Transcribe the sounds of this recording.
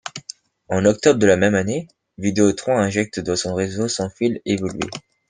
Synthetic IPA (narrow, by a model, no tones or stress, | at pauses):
ɑ̃nɔk̚t̪ɔbʁd̪əlamɛmane | vid̪eot̪χɔ̃ɛ̃ʒɛk̚t̪d̪ɑ̃sɔ̃ʁezosɑ̃filevɔlɥḛ